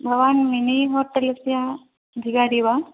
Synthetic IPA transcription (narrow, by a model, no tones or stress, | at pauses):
bʱɐʋaːnminiɦoɾʈelɐsja | b̪ʱiɡaɽiʋa